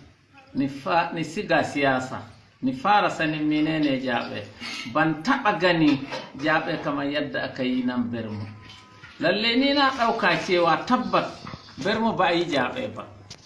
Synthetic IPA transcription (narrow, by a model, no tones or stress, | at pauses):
nfnisiɡasijasa̰ | nifaɾasaniminɛnɛd͡ʒaːɓɛ̰bantaɓaɡanid͡ʒaɓɛkamajadːaːkajinambɛɾmɔ | lalːeninaɗawkat͡ʃɛwatabːat̚ | bɛɾmɔbajid͡ʒaɓɛ̰ba̰